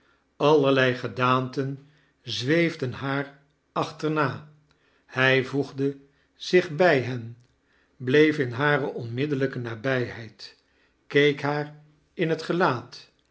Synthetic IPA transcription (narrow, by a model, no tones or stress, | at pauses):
ɑlˠəɹlɛjχədaːntən | zʋejvdənɦaːɹ | ɑχtəɹnaː | hɛjvuχdə | z̥ɪχbɛjɦɛn | blejfɪnɦaːrəʔɔnmɪdələkənaːbɛjɦɛjt | kejkɦaːɹ | ɪnɦətχəlaːt